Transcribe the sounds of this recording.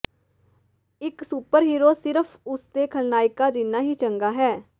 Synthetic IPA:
ɪksuːpəɾɦiːɾoːsɪɾəpʰʊst̪eːkʰəlnaːɪkaːd͡ʒɪnːaːɦiːt͡ʃəŋɡaːɦɛː

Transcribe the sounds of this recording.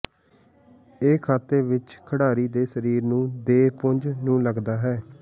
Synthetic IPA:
eːkʰaːt̪ːeːʋɪt͡ʃkʰəɽaːɾiːd̪eːsəɾiːɾnũːd̪eːpʊɲd͡ʒnũːləɡd̪aːɦɛː

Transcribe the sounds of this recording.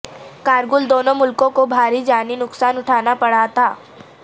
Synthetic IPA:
kaːɾɡʊld̪oːnõmʊlkõkobʱaːɾid͡ʒaːninʊksaːnʊʈʰaːnapɐɽat̪ʰaː

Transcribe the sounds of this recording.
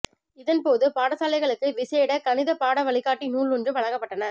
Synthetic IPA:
ɪðɐnpoːðɯpaːɽɐsaːlɐɪɣɐɭɯkːɯʋɪseːɽɐkɐnɪðɐpaːɽɐʋɐɭɪɣaːʈːinuːɭɔndrɯʋɐɻɐŋɡɐpːɐʈːɐnɐ

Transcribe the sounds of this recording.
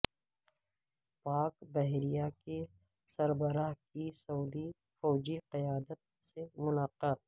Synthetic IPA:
paːkbɛɦɾijake | sɐɾbəɾaːɦkisɐuːd̪i | fɔːd͡ʒiqɪjaːd̪ət̪̚semʊlaːqaːt̪̚

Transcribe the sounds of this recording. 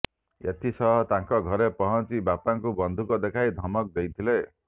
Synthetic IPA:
ḛt̪ʰisɔɦɔt̪aŋkɔɡʱɔɾepɔɦɔnt͡ʃibapaŋkubɔnd̪ʱukɔd̪ekʰajd̪ʱɔmɔk̚d̪ejt̪ʰile

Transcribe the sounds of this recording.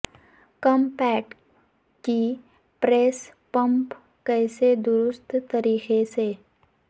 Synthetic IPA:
kɔmpɛːʈ | ki | pɾeːspə̃mp | kɛːɪsed̪ʊɾʊst̪ʰt̪əɾiːxese

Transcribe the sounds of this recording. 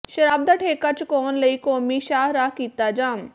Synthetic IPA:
ʃɐɾaːb̚d̪aʈʰeːkat͡ʃʰkɔːnlɐiːkoːmiʃaːɦɾaɦkiːt̪ad͡ʒaːm

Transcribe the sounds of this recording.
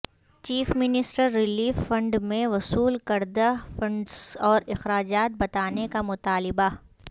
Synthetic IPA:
t͡ʃiːfmɪnɪsʈəɾːɪliːfːɐ̃ɳɖmẽʋɐsuːlkɐɾd̪afɐ̃ɳɖsɔːɾɪxɾaːd͡ʒaːt̪̚bɐt̪aːnekamʊt̪aːlɪba

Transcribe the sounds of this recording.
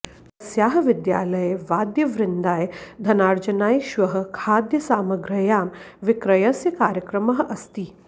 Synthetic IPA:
ɐsjaːɦɐʋɪd̪ja̰ːlɐjeʋaːd̪jɐʋɾɪnd̪aːjd̪ʱɐnaːɾd͡ʒɐnaːjʃʋɐɦɐ̆kʰaːd̪jɐsaːmɐɡɾɐjaːm | ʋɪkɾɐjɐsjɐkaːɾjɐkɾɐmɐɦɐʔɐst̪iː

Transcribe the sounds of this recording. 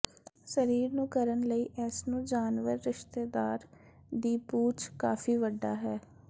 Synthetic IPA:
səɾiːɾnũːkəɾənləiːʔɛːsnũːd͡ʒaːnʋəɾːɪʃt̪eːd̪aːɾ | d̪iːpuːt͡ʃkaːfʰiːʋəɖːaːɦɛː

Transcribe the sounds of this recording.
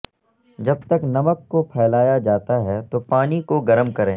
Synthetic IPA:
d͡ʒɐb̚t̪ɐknɐməkːopʰɛːlaːjad͡ʒaːt̪aɦɛt̪opaːnikoɡɐɾəmkɐɾẽː

